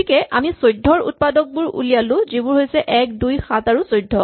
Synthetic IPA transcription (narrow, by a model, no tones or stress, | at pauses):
ikɛʔamisojdʱɔɹṵt̚padɔk̚bʊɹṵlijalʊ̃zibʊɹɦojsɛʔɛk̚dujxataɹusojdʱːɔ